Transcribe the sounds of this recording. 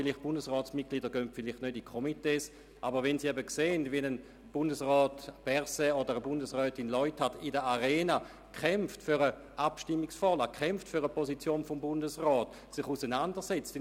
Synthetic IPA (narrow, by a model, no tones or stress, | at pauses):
filiχtb̥undəsʁɔːsmit̚kliːdəɡøntfiliχtnødikʰomiteːs | ʔabəʁʋɛnsiɛbəkseːndviɛnən | b̥undəsʁɔːtb̥ɛʁseodəʁəbundəsʁœːtinlɔʏthadidəaʁɛːna | kʰɛmftfyʁə | ʔapʃtimːiksfɔlakχɛmftfyʁəposit͡sjoːnfombundəsʁɔːt | sɪχusənandəʁsɛt͡st